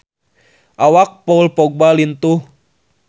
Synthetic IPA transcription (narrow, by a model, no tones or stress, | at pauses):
ʔawak̚powlpɔɡ̚balint̪u